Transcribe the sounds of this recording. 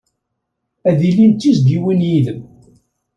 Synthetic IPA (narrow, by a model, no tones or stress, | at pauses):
æðilːint̪ːizɡiwinjiðəm